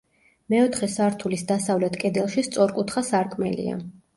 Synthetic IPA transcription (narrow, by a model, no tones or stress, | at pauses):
mɛɔt̪ʰχɛsaɾt̪ʰulisd̪asavlɛt̪ʰkʼɛd̪ɛlˠʃist̪sʼɔɾkʼut̪ʰχasaɾkʼmɛ̰lḭa̰